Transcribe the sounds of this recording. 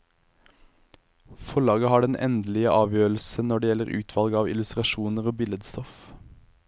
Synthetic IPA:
fɔɭɑːɡəhɑːɖɛnʔɛ̰nd̪əl̩ɪəʔɑːʋjøːl̩sənɔɖeːjɛləʁʉ̰ːt̪ʰʋɑlɡɑːʋɪ̰lʉst̪ʁɑʃuːnəʁoːbɪləd̪st̪ɔf

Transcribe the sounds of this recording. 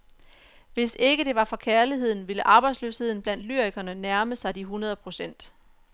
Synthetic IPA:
ʋe̝se̝ɡ̥əd̥e̝ʋɑ̈fɒ̽kʰæɐliɦe̝ð̰ˠn̩ʋe̝ləʔɑ̈ːb̥ɑ̈ɪd̥slø̰ːshe̝ð̰ˠn̩b̥læn̰d̥lyɐ̰iɡ̥ɐnənæɐməsɑ̈ɪd̥iɦunɐð̞ˠpʰʁo̝sen̰d̥

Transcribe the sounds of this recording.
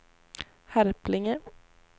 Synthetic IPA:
hæɾplɪŋə

